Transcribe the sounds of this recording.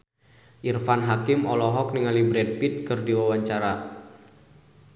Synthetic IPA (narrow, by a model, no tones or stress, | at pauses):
ʔirfanɦakɪmɔlɔɦɔk̚niŋalibɾɛd̚pit̪̚kɨrdiwawaɲt͡ʃaɾa